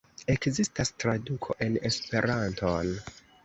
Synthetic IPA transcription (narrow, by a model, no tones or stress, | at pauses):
e̞kzistastɾadukʰo̞̰ʔe̞ne̞spe̞ɾʔantʰon